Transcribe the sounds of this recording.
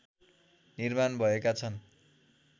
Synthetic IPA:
nirmanbʱʌekat͡sʰʌn

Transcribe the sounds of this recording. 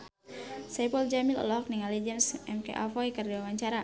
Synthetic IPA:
sapɔld͡ʒamilɔ̰lɔɔk̚niŋalɛd͡ʒɛnsɛmkḛʔafɔikərdiwawaɲt͡ʃaɾa

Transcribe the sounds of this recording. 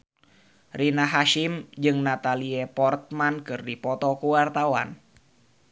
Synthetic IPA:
rinaɦaʃimd͡ʒɨŋnat̪aliɛpɔrt̪̚mankɨrdipɔt̪ɔkuwart̪awa̰n

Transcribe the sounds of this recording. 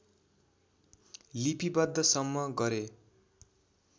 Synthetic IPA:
lipibʌd̪ʱːʌsʌmːʌɡʌɾe

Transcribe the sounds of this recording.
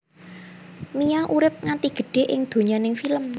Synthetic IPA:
miaʔuɾɪp̚ŋant̪iɡ̥ə̤ɖ̥e̤ʔɪ̰ŋd̪̥o̤ɲanɪŋfiləm

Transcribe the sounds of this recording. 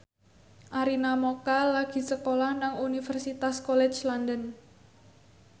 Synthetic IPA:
ʔaɾinamokalaɡ̥i̤səkolahnaŋunifɛrsit̪askɔlɛ̥t͡ʃlandən

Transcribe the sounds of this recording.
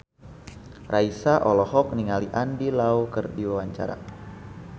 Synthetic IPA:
rʔaisaʔɔlɔɦɔk̚niŋaliʔandilaukərdiwawaɲt͡ʃa̰ɾa̰

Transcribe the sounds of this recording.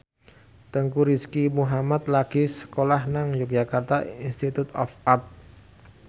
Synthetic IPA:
t̪əŋkuɾiskimuɦamat̪̚laɡ̥isə̥kolahnaŋjuk̚d͡ʒʒ̥akart̪ainst̪it̪ut̪ɔ̰fart̪̚

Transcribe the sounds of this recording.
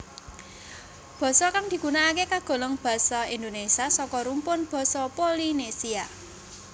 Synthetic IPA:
b̥ɔ̤sɔkaŋd̪̥i̤ɡ̥unaːkekaɡ̥o̤ləŋb̥a̤sɔind̪onesiasɔkɔɾumpʊnb̥ɔ̤sɔpolinesia

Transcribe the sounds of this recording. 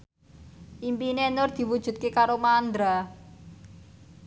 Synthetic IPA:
ʔimpinenʊrd̪̥i̤wud̥ʒ̥ṳt̪̚kekaɾomand̪ɾa

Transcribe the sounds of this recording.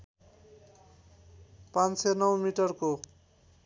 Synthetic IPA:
pansenʌwmiʈʌrko

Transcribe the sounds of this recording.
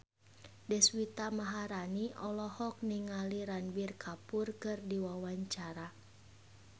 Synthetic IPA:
dɛswit̪amaɦaɾaniʔɔlɔhɔk̚niŋaliɾanbirkʰapurkɨrdiwawaɲt͡ʃaɾa

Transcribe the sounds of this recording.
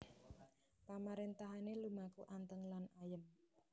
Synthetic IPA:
pamaɾent̪aɦanelumakuʔant̪əŋlanajəm

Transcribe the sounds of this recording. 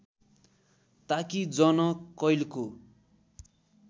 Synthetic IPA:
t̪akid͡zʌnʌkʌjlko

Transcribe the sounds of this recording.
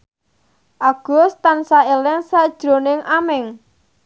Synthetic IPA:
ʔaɡ̥ɔ̤st̪ansaelɪŋsad̥ʒ̥ɾo̤nɪŋʔamɪŋ

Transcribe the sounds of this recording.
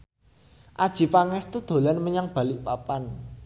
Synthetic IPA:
ʔad̥ʒ̥i̤paŋɛst̪ud̪̥o̤lanməɲaŋb̥ä̤lɪʔpapan

